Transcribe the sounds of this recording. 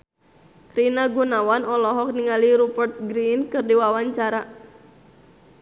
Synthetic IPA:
rinaɡunawanɔlɔɦɔk̚niŋaliɾupərt̪̚ɡɾinkɨrdiwawaɲt͡ʃaɾa

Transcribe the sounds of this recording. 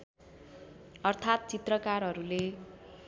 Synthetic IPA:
ʌrt̪ʰat̪̚t͡sit̪rʌkarɦʌɾule

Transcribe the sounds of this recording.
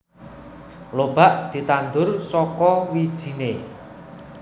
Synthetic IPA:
lob̥a̤ʔd̪̥i̤t̪and̪ʊrsɔkɔwid̥ʒ̥i̤ne

